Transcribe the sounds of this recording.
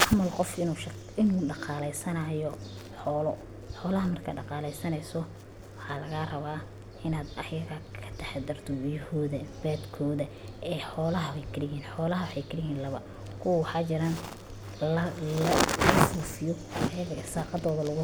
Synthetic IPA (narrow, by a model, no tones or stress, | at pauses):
ʔɑmɐlqɔfɪnuːʃ | ɪnuːɖɑqɑːlɛjsɐnɐːjɔ | ħɔːlɔ | ħɔːlɐɦɐmɐrkʰɐɖɑqɑːlɛjsɐnɛjsɔ | wɑħɑːlɐɣarɐβaː | ʔɪnaːd̪ɐjɐɣɐkʰɐ̥t̪ʰɛħɛd̪ɐrt̪ʰɔjhɔːðɐbaːd̪kʰɔːðɐɛːħɔːlɐɦɐwɛjkʰɪɾɪjiːnħɔːlɐɦɐwɑħɑjkʰɪɾɪjiːnlɐβɐ | kʰʊwɐwɑħɑːt͡ʃɪɾan | ɐʊfuːfɪjɔ | ɐjɐɣɐɪsaːqɑd̪ɔːðɐlɐɣʊ